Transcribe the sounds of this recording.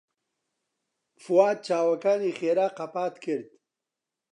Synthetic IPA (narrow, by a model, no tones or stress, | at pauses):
fuwaːd̪̚t͡ʃaːwɐkaːniːχeːɾaːqɐpaːt̪kʰɨɾd̪̚